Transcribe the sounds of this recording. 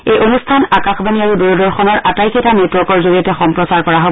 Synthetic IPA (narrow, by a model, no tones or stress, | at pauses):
ejʔonustʰanakaxbaniaɹuduɹɔdɔɹxɔnɔɹatajkʰitanetɹɔkɔɹzoɹijɔtɛxɔmpɹɔsaɹkɔɹaɦob